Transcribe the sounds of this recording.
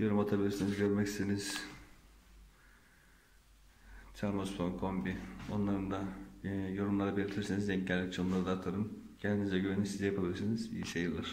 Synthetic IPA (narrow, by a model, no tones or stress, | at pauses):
jo̞ɾumat̪ʰabilʲiɾsinizɟøɾmɛcst̪iniz̥ | t͡ʃʰaɾmasp̪onkʰombio̞nlˠaɾɯnd̪ajo̞ɾumlˠaɾabelʲit̪ʰiɾsinizd̪ɛɲɟælʲːic̚t͡ʃʰomlˠaɾɯd̪aːt̪ʰaɾɯmcʰænd̪inizɛɟøβenimsizɛjapʰabilʲiɾsinizbḭjiʃajɯɾlˠaɾ̥